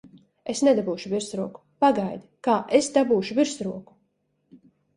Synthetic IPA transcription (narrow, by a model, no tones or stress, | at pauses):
esnɛd̪abuːʃuviɾsɾuɔku̥paɡajd̪ikaːʔesd̪abuːʃuviɾsɾuɔku̥